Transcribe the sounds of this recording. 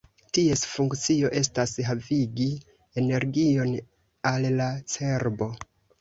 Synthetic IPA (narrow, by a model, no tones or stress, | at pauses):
tie̞sfuŋkt͡sio̞ʔe̞s̬tasɦaviɡi | e̞ne̞ɾɡio̞n | allat͡se̞ɾbo̞